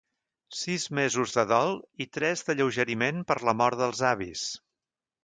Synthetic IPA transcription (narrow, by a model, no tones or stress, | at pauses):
sizmezuzðəðɔlˠit̪ɾɛzðəʎəwʒəɾimenpəɾləmɔɾt̪ðəlˠzaβis